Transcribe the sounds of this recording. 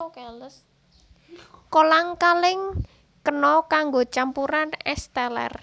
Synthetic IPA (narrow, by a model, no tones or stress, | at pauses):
kɛləs | kolaŋkalɪŋ | kənɔkaŋɡot͡ʃampuɾanɛst̪ɛlɛ̰r